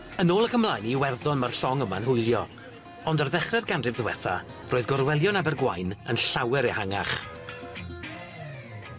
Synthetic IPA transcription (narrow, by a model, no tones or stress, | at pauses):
ənoːlˠəkʰəmlˠajniwɛrðɔnmarɬɔŋəma̰nhʊjlˠjɔ | ɔndarðɛχrɛrɡanrɪvðəwɛθa̰ | roːɨðɡɔrwɛlˠjɔnabɛrɡwajnənɬawɛɾehaŋa̰χ